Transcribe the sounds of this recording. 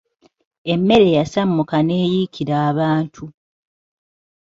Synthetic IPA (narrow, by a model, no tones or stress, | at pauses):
e̞mːe̞ɾe̞jasamːukane̞ːjikʰiɾaːβaːntʰu